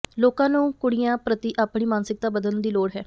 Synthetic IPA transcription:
loːkãːnũːkʊɽɪjãːpɾət̪iːʔaːpɳiːmaːnsɪk̚t̪aːbəd̪ənd̪iːloːɽɦɛː

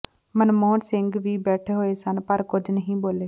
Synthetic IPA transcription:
mənmoːnsɪ̃ŋɡʋiːbɛːʈʰeɦoːesənpəɾkʊd͡ʒnəɦĩːboːleː

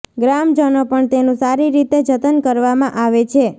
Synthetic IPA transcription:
ɡɾamd͡ʒənopəɳt̪enũsaɾiɾit̪ed͡ʒət̪ənkəɾʋamãʔaʋet͡ʃʰe

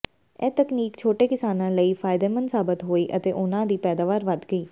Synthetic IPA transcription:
ɛːt̪əkniːkt͡ʃʰoːʈeːkɪsaːnãːləiːpʰaːɪd̪eːmənsaːbɪt̪ɦoːiːʔət̪eːʔʊnãːd̪iːpɛːd̪aːʋaːɾʋəd̪ɡəiː

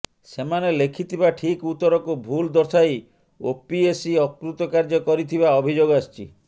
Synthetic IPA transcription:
semanelekʰit̪ʰibaʈʰikut̪ːɔɾɔkubʱuld̪ɔɾt̪ʰaj | opiesiɔkɾut̪ɔkaɾd͡ʒɔkɔɾit̪ʰibaɔbʱid͡ʒoɡast͡ʃḭ

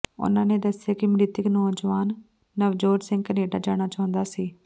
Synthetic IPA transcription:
ʊ̰nãːneːd̪əsɪjaːkɪmɾɪt̪ɪknɔːd͡ʒʋaːnː | əʋd͡ʒoːd͡ʒsɪ̃ŋɡkəneːɖaːd͡ʒaːɽ̃aːt͡ʃaɦʊ̃nd̪aːsiː

